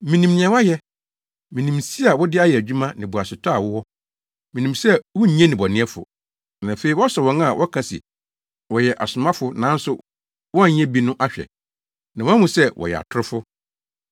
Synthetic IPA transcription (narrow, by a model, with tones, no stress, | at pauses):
mĩ˨nĩ˨mñ˨ɛ̃˨wa˦jɛ˦ | mĩ˨nĩ˨msi˦a˨wɔ˦dɪ˦a˦jɛ˨æ˨d͡ʑᶣu˦mã˦nɪ̃˨bʊ˨a˨sɪ˨tʰa˦a˨wʊ˦wɔ˦ | mĩ˨nĩ˨msɛ˦wʊ˦ɲɛ̃˦nɪ̃˨bɔ˨nɪ̃˦ɛ˦fʊ̰˨ | nã˨fe˨i˨wɔ˦sɛ˨wɔ̃˨˦na˦˨wʔɔ˦kʰã˨sɪ̰˨ | wɔ˨jɛ˨ʔa˨sʊ˨mã˦fʊ˦nã˨˦n̩˦sʊ˨ | wɔ˦a˦˨ɲ˦ɛ̃˦bi˨nʊ̃˦ʔa˦ɕᶣɛ̰˨ | nã˨wmʊ̃˨sɛ˦wɔ̰˨jɛ̰˨a̰˨tʰʊ˦ɾʊ˦fʊ˦